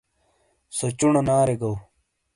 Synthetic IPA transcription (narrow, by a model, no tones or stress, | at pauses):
sot͡ɕuɳonaːɾeɡɐw